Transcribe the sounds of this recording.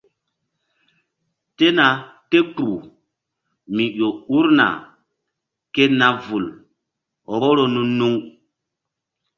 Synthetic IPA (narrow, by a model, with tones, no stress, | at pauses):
te˦na˨te˦ku˨ | mi˨jo˨u˦ɾna̰˨ | ke˦na˦vu˨l | ɔ˨ɓo˦ɾo˦nũ˦nu˦ŋ